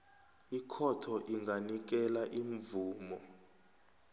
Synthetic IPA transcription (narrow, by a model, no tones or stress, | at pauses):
ikʰɔtʰɔʔiŋɡanik̬ɛlaʔiɱvuːmɔ